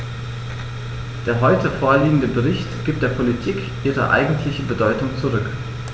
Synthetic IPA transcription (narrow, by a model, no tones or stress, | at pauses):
d̥eːɐɦɔʏtəfoːɐliːɡŋ̩dəbəʁɪçtɡ̥iːp̚t̚d̥eːɐpʰolitʰiːk | ʔiːʁə̰ʔa̰ɪɡŋ̩tʰlɪçəbədɔʏtʊŋt͡suʁʏk